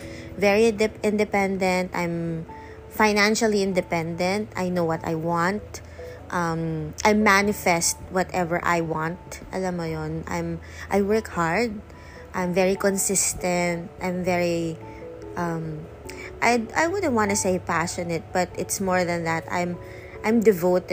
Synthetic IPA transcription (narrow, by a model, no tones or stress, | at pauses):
vɛɹiɛʔɪ̃nd̪ɨpɛ̃nd̪ɛ̃nt̪ã̰jm | faɪnæ̃nʃəlˠiɪ̃nd̪ɛpɛ̃nd̪ɛ̃nt̪a̰jnoʊwʌt̪a̰jwɑ̃nt̪̚ | ʔʌ̃mʔajmːænɪfɛst̪̚wɔt̪ɛvəɹʔa̰jwɑ̃nt̪̚ʔɐ̰lamːɐjonʔã̰jm | ʔajwɜ˞khaɹd̪̚ | ʔãjmvɛɹikɔ̃nsɪst̪ɛ̃nt̪̚ʔãjmvɛɹi | ʔʌm | ʔajajwʊd̪n̩t̪̚wɑ̃nt̪ʊseɪpæʃɔnɛt̪̚b̥ɐt̪ɪt̪smɔɹðɐ̃nðæt̪ã̰jm | ʔãjmd̪ɛvoʊt̪